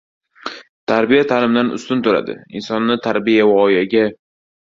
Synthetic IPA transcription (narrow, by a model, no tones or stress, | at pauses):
t̪ʰaɾbijat̪ʰalɪmd̪anʊ̰st̪ʊnt̪ʰʊɾa̰d̪ɪ̰ɪ̰nsɒnːɪt̪ʰaɾbijavɒjaɡʲa